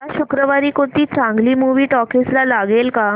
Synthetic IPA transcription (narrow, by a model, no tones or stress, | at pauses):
aɕukɾəʋaɾiːkot̪iːt͡sãŋɡliːmuʋiːʈɔkislalaɡelka